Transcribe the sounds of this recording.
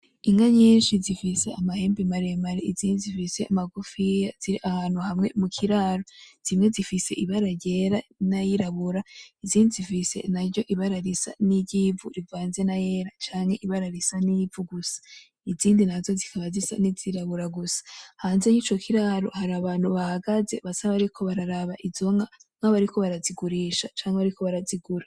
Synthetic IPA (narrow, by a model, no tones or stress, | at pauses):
iŋɡaɲiːnʃizifise̞amahe̞ːmbimaɾemaɾeiziːndizifise̞amaɡufijaz̥iɾiʔahaːn̥huhamŋe̞mukʰiɾaːɾoz̥imŋe̞zifise̞̰ʔiβaɾaɟe̞ːɾanajiɾaβuɾaiziːndizifise̞̰naɾɟo̞ʔiβaɾaɾisa̰niɟiːvuɾivaːnze̞naje̞ːɾat͡ʃaːŋhe̞ʔiβaɾaɾisanib̪vuɡusḁ | iziːndinazo̞zikʰaβazisa̰niziɾaβuɾaɡusḁhaːnze̞jiːt͡ʃo̞kʰiɾaɾo̞̰haɾaβaːnhuβahaɡaze̞βasaβaβaɾikʰo̞βaɾaɾaβaʔizo̞ŋaŋ̥aβaɾiko̞βaɾaziɡuɾiːʃat͡ʃaːŋheβaɾiko̞βaɾaziɡuɾa